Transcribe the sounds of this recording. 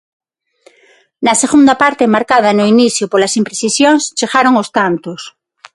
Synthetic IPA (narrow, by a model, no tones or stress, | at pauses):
naseɣund̪apaɾt̪emaɾkað̞anoiniθjopolasimpɾesisjoŋst͡ʃeɣaɾoŋost̪ant̪os